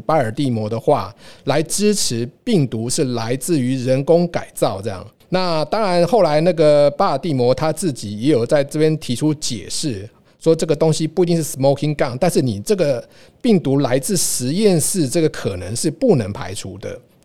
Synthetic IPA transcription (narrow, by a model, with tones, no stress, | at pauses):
pa˥ə˞˨˩t̪i˥˩mwɔ˧˥d̪ə˧xwa˥˩la˧˦˥ɪʈ͡ʂɻ̩˥ʈ͡ʂ̩ʰ˧˥pi˥˩ŋt̪u˧˥ʂɻ̩˥˩la˧˥ɪt͡sɹ̩˥˩y˧˥ɻə˧˥nkʊ˥ŋka˨˩ɪt͡sɑ˥˧ʊʈ͡ʂɤ˥˧jɑ̰˥˩ŋ | na˥˨t̪ɑ˥ŋɻa˧˦˥nxo˥˩ʊla˧˥ɪna˥˩ɡə˨˩pa˥˧ə˨˩t̪i˥˩mwɔ˧˥t̪ʰa˥t͡sɹ̩˥˩t͡ɕi˨˩jɛ˧˥jo˨˩t͡sa˥˧ɪʈ͡ʂɤ˥˩pjɛ˥nt̪ʰi˧˥ʈ͡ʂʰu˥t͡ɕjɛ̰˨˩ʂɻ̩˥˩ | ʂwɔ˥ʈ͡ʂɤ˥˩ɡə˩t̪o˥ŋɕi˦pu˥˩˨t̪i˥˧ŋʂ̩˥˩smo˥˧ʊkʰi˦˥nka˥˩ŋt̪a˥˧nʂɻ̩˥˩ni˨˩ʈ͡ʂɤ˥˩ɡə˨ | pi˥˩ŋt̪u˧˥la˧˥ɪt͡sɹ̩˥˩ʂɻ̩˧˦jɛ˥˧nʂɻ̩˥˧ʈ͡ʂɤ˥˩ɡə˩kʰɤ˨˩nə˧˦ŋʂɻ̩˥˧pu˥˨˩nə˧˥ŋpʰa̰˧˥ɪʈ͡ʂʰu˧˥d̪ə̰˨